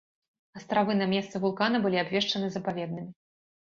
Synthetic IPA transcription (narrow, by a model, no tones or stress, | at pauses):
ɐst̪ɾavɨnɐmʲɛst̪sɨvulˠkanɐbɨlʲiabvʲɛʂt͡ʂɐnɨzɐpavʲɛd̪̚nɨmʲi